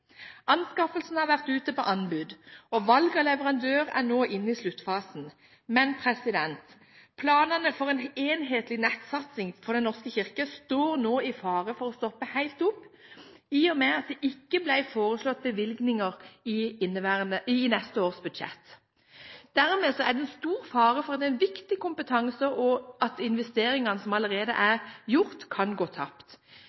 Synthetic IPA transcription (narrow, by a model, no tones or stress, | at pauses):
ɑnskɑfəlsn̩hɑʁʋæʁt̪ʉːt̪əpɔʔɑnbʉːd̪ɔʋɑlɡɔlɛʋəʁɑnd̪øːʁæ̰ʁnoːʔɪnːəɪslʉt̪ːfɑːsn̩ | mɛnpʰʁɛsɪd̪ɛnt̪ | pʰlɑːnɑnəfɔʁeːneːnɦeːt̪lɪnɛt̪sɑt̪sɪŋfɔʁd̪ɛnɔʁskəçɪʁkəst̪oːʁnoːɪfɑːʁəfɔʁɔst̪ɔpːəhæɪlt̪ʊpː | iːɔmeːɑt̪̚d̪ɛʔɪkːəblæɪfoːɾʁəslɔt̪̚ːbəʋɪlɡnɪŋəʁɪɪnːəʋæːʁnəːnɛst̪əoːʁsbʉd̪ʃɛ̰t̪ː | d̪̥æʁmeːsɔæd̪ɛɛnst̪uːɾfɑːʁəfɔɾʁɑt̪̚d̪ɛɛnʋɪkt̪ɪkʊmpət̪ʰɑŋsəɔʔɑt̪ɪnʋɛst̪eːɾɪŋɑnəsɔmɑləʁeːd̪ə̰ʔæʁjʊʁt̪kʰɑnɡoːt̪ʰɑ̰pt̪